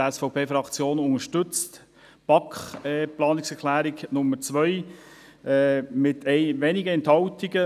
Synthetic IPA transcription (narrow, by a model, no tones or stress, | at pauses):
ɛsfɔʊpʰeːfɾɑkt͡sjoːnʊŋəʃtʏt͡st | pɑkχɛplɑːnɪksɛɾkʰlæːɾiɡnʊmːəɾt͡sʋœj | ɛmɪt̪ʰɛɪʋɛːnɪɡəɛnthɑwtiɡə